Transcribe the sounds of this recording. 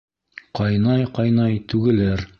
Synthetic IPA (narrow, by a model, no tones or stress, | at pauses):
qɑjnɑjqɑjnɑjt̪ʉɡɘ̆læɾ